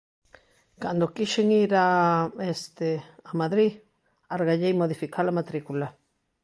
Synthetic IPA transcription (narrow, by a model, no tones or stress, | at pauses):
kand̪okiʃeŋiɾaest̪eamaðɾi | aɾɣaʎejmoðifikʰalamat̪ɾikula